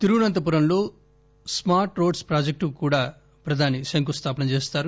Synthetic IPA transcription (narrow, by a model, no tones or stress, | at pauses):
t̪iɾuunɐnt̪̬ɐp̬uɾɐmlo̞ː | smaːɾʈɾo̞ːɖspɾaːd͡ʒek̚ʈukuːɽaː | pɾɐd̪ʱaːnisɐŋkust̪ʰaːpɐnɐmt͡ʃe̞ːst̪aːɾu